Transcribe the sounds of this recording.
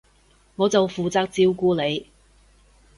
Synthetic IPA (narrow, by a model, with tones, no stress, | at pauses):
ŋɔː˨˧t͡sɐ˨wfuː˨t͡saː˧k̚t͡siː˥wkuː˥le˨˧j